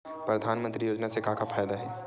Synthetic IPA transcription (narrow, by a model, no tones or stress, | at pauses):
pɾɐd̪ʱaːnmə̃nt̪ɾijoːd͡ʒnasekaːkafʰaːjd̪aɦɛː